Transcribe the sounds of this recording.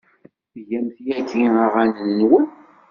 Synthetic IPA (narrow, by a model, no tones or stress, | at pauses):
ʝæmθjækːiəʁænənnwən